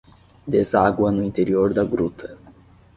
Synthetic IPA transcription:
d̪ezaɡwɐnʊĩnt̪eɾioɾd̪ɐɡɾut̪ʰɐ

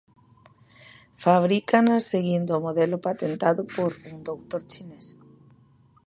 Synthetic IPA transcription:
faβ̞ɾikanaseɣind̪omoðɛlopat̪ent̪aðopoɾuŋd̪owt̪oɾt͡ʃines

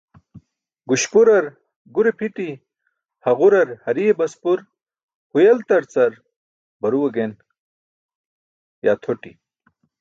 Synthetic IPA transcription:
ɡuɕpuɾɐɾ | ɡuɾepʰiʈi | hɐʁuɾɐɾhɐɾiebɐspuɾ | hujɐlt̪ɐɾt͡sɐɾ | bɐɾuwɐɡen | ja̰ːt̪ʰoʈḭ

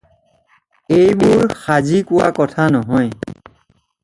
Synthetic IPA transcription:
ejbʊɹxazikʊwa̰kɔtʰanɔɦɔj

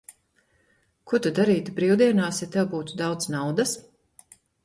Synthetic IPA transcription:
kuɔt̪ud̪aɾiːt̪ubɾiːwd̪iɛnaːsjat̪ɛwbuːt̪ud̪awd̪znawd̪as

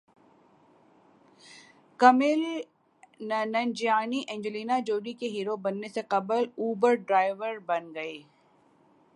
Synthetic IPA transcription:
kɐmel | nɐnd͡ʒjaːniʔɛ̃ːɲd͡ʒəliːnad͡ʒoːɖikeɦiːɾobɐnːeseqɐbəluːbəɾɖɾaːɪʋəɾbɐnɡɐeː

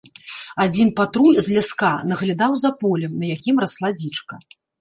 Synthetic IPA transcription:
ad͡zʲinpat̪ɾulʲzʲlʲaskanɐɣlʲad̪awzapɔlʲɛmnɐjakʲimɾaslˠad͡zʲit͡ʂkɐ

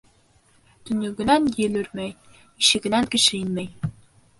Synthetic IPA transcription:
t̪ɵ̆nɵ̆ɡɘ̆nænɘ̆lɘɾmæj | iʃɘ̆ɡɘ̆næŋkɘ̆ʃɘinmæj

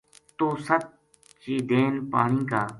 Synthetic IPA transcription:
t̪oːsət̪̚ | t͡ʃiːd̪eːnpa̰ːɳĩːkaː

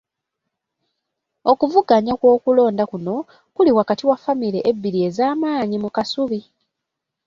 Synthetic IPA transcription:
o̞kuvuɡaɲakwo̞ːkulo̞ːndakuno̞ | kuliwakatiwafamileʔebːiɾie̞zaːmaːɲimukasuβi

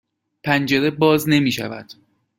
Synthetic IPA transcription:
pʰænd͡ʒe̞ɾe̞bɒːzne̞miːʃæ̰væ̰d̪̥

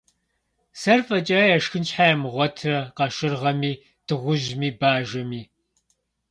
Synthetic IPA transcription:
sɐrfɐt͡ʃʼɐjɛʂxɨnt͡ʃħaːjɛmʁʷɔtʰrɐqɐʃɨrʁɐmiː | tʰɨʁʷʊʒmiːbaːʒɐmiː

